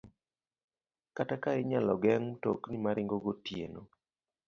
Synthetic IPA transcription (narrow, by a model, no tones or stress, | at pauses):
katakaɪɲalɔɡɛŋtoknimaɾɪŋɡoɡotjḛno